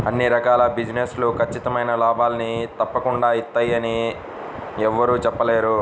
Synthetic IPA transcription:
ɐnːiɾɐkaːlɐbid͡ʒineslukʰɐt͡ʃːit̪ɐmɐjnɐlaːbaːlɐnit̪ɐpːɐkuɳɖaːit̪ːaːjɐni | ɛʋːɐɾuːt͡ʃɛpːɐle̞ːɾu

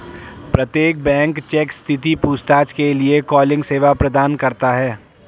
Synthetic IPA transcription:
pɾɐt̪jeːk̚bɛ̃ːŋkt͡ʃeːkst̪ʰɪt̪ipuːst̪aːt͡ʃkeliekɔːlɪ̃ŋɡseːʋapɾɐd̪aːnkɐɾt̪aɦɛː

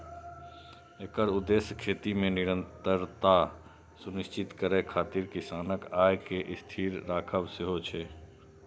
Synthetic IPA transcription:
eːkəɾʊd̪ːeːsjkʰeːt̪imẽnɪɾə̃nt̪əɾt̪a | sunɪst͡ʃɪt̪kəɾekʰaːt̪iɾkɪsaːnəkaːjkeʔɪst̪ʰiːɾːaːkʰəbsɪɦot͡ʃʰeː

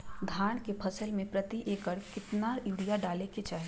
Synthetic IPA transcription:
d̪ʱaːɳ̃kepʰɐsəlmẽpɾɐt̪iʔeːkəɽkɪt̪najuːɽijaɖaːleket͡ʃaːɦe

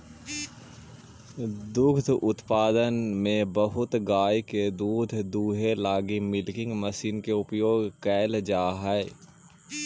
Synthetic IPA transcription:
d̪ʊɡd̪ʱʊt̪paːd̪ənmẽbəɦʊt̪ɡaːjked̪uːd̪ʱd̪uːɦelaːɡimɪlkɪ̃ŋɡməsiːnkeʊpjoːɡkɛːld͡ʒaːɦɛ

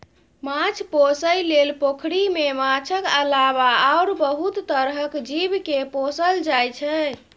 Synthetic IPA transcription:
mãt͡ʃʰposəjlelpokʰɽimemãt͡ʃʰəkəlaβaaoɾbəɦut̪ːəɾɦəkd͡ʒibkeposəld͡ʒajt͡ʃʰɛ

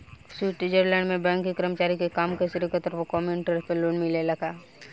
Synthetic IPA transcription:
siːʈɪd͡ʒəɾlɛ̃ːɳɖmẽbɛ̃ːŋkːikəɾmət͡ʃaːɾikekaːmkesɪɾikət̪əɾpəkɔːmjunɪʈəɾpeloːnmilelɐkʰaː

